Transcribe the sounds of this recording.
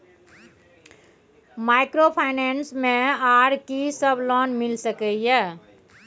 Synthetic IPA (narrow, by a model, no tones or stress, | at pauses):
majkɾopʰajnensmeaɾkisəbʱlɔnmilsəkəjə